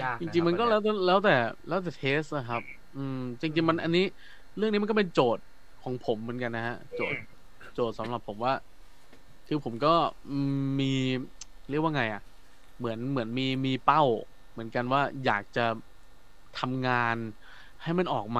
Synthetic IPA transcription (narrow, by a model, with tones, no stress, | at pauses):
t͡ɕi˧ŋt͡ɕi˧ŋma˧nkɔː˥˩lɛː˦˥wt̪ɛː˧˥lɛː˦˥wt̪ɛː˨˩lɛː˦˥wt̪̬ɛː˨˩t̪ʰeː˦˥st̪a˧˩kʰa˦˥p̚ | ʔɯː˧t͡ɕi˧ŋt͡ɕi˧ŋma˧nʔa˧nːiː˦˥ | ɾɯ˥˩ŋi˦˥m˧nkɔ˥˩pe˧nt͡ɕoː˨˩t̪̚ | kʰɔː˩˦ŋpʰo˩˦mːɯ˩˦ənka˧nːa˦˥ha˦˥ʔt͡ɕo̰ː˨˩t̪̚ | t͡ɕoː˨˩t̪̚sa˩˦mɾa˨˩pʰːo˩˦mwaː˥˩ | kʰɯː˧pʰo˩˦mkɔː˥˩ʔɯː˧mmiː˧ | ɾi˥˩k̚wa˥˧ŋa˧jʔa˨˩ʔ | mɯ˩˦ənmɯ˩˦ənmiː˧miː˧pa˥˩w | mɯ˩˦ənka˧nwaː˥˩ja̰ː˨˩k̚t͡ɕa˨˩ | t̪ʰa˧mŋaː˧n | ha˥˩jma˥˩nʔɔː˨˩k̚maː˧